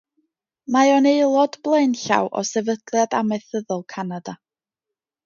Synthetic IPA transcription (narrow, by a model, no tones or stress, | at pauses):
maɔneɨlˠɔdblˠeɨnɬa̰wʔɔ̰sɛvəd̥lˠjadamɛθəðʊlˠkʰanada